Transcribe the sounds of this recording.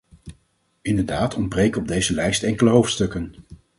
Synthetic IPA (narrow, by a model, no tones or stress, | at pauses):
ɪndəɹdaːtʰɔn̚brejkɔb̚dejzəlɛjstɛŋkələɦowftstɵkən